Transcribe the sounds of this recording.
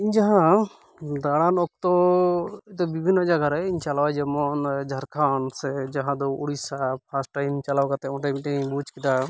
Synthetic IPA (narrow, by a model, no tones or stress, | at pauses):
iɲd͡ʒaɦã | d̪aɽanɔk̚t̪ɔ | t̪ɔbibʱinːɔd͡ʒaɡaɾajiɲt͡ʃalawad͡ʒɛmɔnd͡ʒʱaɾkʰansɛd͡ʒaɦãd̪ɔuɽisapʰasʈʈajmt͡ʃalawkat̪ɛɔ̃ʈamiʈibut͡ʃkid̪a